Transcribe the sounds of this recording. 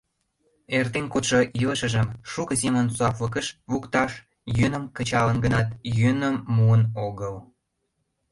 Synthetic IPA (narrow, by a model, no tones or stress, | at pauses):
ert̪enkot̪ʃoʔiləʃə̆ʒəmʃukəsemənsoɑplək̬əʃβukt̪ɑʃ | jønəmkət͡ɕɑlənɡənɑt̪jønəmːuənoɣəl